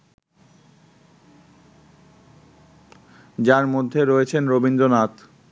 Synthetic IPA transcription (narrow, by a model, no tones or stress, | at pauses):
d͡ʑaɾmod̪ʱːeɾoet͡ɕʰenɾobind̪ɾonat̪